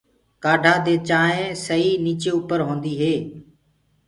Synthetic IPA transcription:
kaːɖʱãːd̪eːt͡ʃaːɦẽːsəɦiːniːt͡ʃeːʊpəɾɦõːnd̪iːɦeː

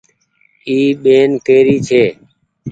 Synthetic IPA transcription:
iːɓeːnkeːɾiːt͡ʃʰeː

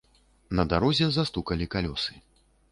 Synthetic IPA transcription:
nɐd̪aɾɔzʲɛzast̪ukɐlʲikalʲɔsɨ̥

